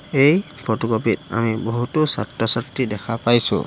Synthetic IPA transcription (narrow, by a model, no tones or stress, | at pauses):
ej | pɔtɔkɔpit̚a̰miboɦutʊsa̰tɹɔsatɹidɛkʰapajsʊ̰